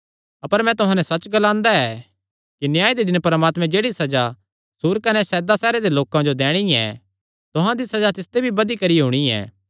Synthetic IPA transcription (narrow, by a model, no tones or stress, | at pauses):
ɐpəɾmɛ̃t̪ʊɦãnɛsɐt͡ʃɡɐlãːnd̪aɛ | kinjaːid̪ed̪ɪnpɐɾmaːt̪mɛ̃d͡ʒeːɽisɐd͡ʒa | suːɾkɐnɛsɛːd̪asɛːɾed̪eloːkãd͡ʒod̪ɛːɽ̃iɛ̰ | t̪ʊɦãd̪isɐd͡ʒat̪ɪst̪ebʱibɐd̪ikɐɾiɦuːɽ̃iɛ̰ː